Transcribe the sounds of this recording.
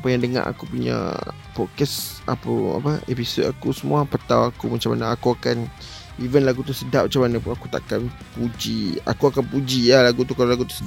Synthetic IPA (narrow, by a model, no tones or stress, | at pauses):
apajaŋdəŋa̰ʔa̰kupuɲa̰ | pɔkɛsʔa̰pua̰pəepisodakusəmuapət̪awakumat͡ʃamanaakuakan | ivənlaɡut̪usədaʔ̚mat͡ʃamanapunakut̪a̰ʔkan | pud͡ʒia̰kuakanpud͡ʒialaɡut̪ukalalaɡut̪u̥sə